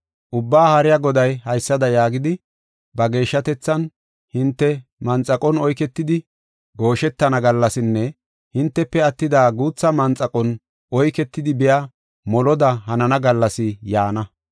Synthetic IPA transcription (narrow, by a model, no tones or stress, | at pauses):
ʔʊbːaːhɐɾɪjaɐɡɔd̪ɐjhɐjsːɐd̪ɐjaːɡɪd̪ɪ | bɐɡe̞ːʃːɐt̪ɛt͡sːɐn | hɪnt̪ːɛmɐnt͡sʼːɐkʼɔnɔjkɛt̪ːɪd̪ɪ | ɡo̞ːʃɛt̪ːɐnɐɡɐlːɐsɪnːɛ | hɪnt̪ːɛpːɛɐt̪ːɪd̪aːɡuːt͡sːɐmɐnt͡sʼɐkʼɔn | ʔɔjkɛt̪ːɪd̪ɪbɪja | mɔlɔd̪ɐɦɐnɐnɐɡɐlːɐsɪjaːnɐ